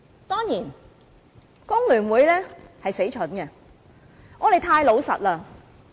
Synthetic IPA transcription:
t̪ɔː˥ŋjiː˨˩n | kʊ˥ŋlyː˨˩nwuː˨˧˥jlɛː˥hɐ˨jse˨˥jt͡ʃʰɵ˨˥nkɛ˧ | ŋɔː˨˧le˨˧jt̪ʰaː˧jlo˨˧wsɐ̰˨t̚laː˧

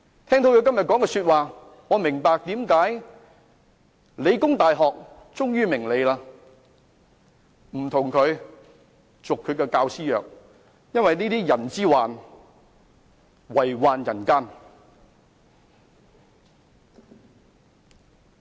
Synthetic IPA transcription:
t̪ʰɛː˥ŋt̪ʰo˨˥wji˨˧wkɐ˥mjɐ˨t̚kɔː˨˥ŋkɛː˧syː˧t̚waː˨ | ŋɔː˨˧mɪ˨˩ŋpaː˨˧k̚t̪iː˨˥mkaː˨˥j | le˨˧jkʊ˥ŋt̪aː˨jɦɔː˨k̚ | t͡sʊ˥ŋjyː˥mɪ˨˩ŋle˨˧jlaː˧ | m̩˨˩t̪ʰʊ˨˩ŋkʰɵ˨˧ɥ | t͡sʊ˨kʰɵ˨˧ɥkɛː˧kaː˧wsiː˥jœː˨˩k̚ | jɐ˥nwɐ˨jniː˥t̪iː˥jɐ˨˩nt͡siː˥waː˨n | wɐ˨˩jwaː˨njɐ˨˩nkaː˥n

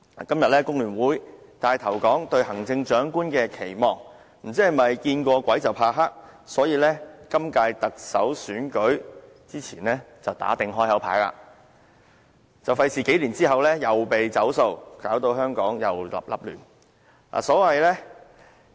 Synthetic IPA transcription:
a˨kɐ˥mjɐ˨t̚lɛː˥kʊ˥ŋlyː˨˩nwuː˨˥jt̪aː˨˩jt̪ʰɐ˨˩wkɔː˨˥ŋt̪ɵ˧ɥhɐ˨˩ŋt͡sɪ˧ŋt͡ʃœː˨˥ŋkuː˥nkɛː˧kʰe˨˩jmɔː˨˩ŋ | m̩˨˩t͡siː˥hɐ˨˩mɐ˨jkiː˧nkʷɔː˧kʷɐ˨˥jt͡sɐ˨wpʰaː˧ɦaː˥k̚sɔː˨˥jiː˧lɛː˥kɐ˥mkaː˧jt̪ɐ˨k̚sɐ̰˨˥wsyː˨˥nkɵ˨˥ɥ | t͡siː˥t͡sʰiː˨˩nlɛː˥ | t͡sɐ˨wt̪a̰ː˨˥t̪ɪ˨ŋɦɔː˥jhɐ˨˥wpʰa̰ː˨˥jla̰ː˧˥ | t͡sɐ˨wfɐ˧jsiː˨ke˨˥jliː˨˩nt͡siː˥ɦɐ˨wlɛː˥jɐ˨wpe˨jt͡sɐ˨˥wso˧wkaː˨˥wt̪o˧wɦœː˥ŋkɔː˨˥ŋjɐ̰˨˩wlɐ̰˨p̚lɐ̰˨˩p̚lyː˨˩n | a̰ː˨˩sɔː˨˥wɐ˨jlɛː˥

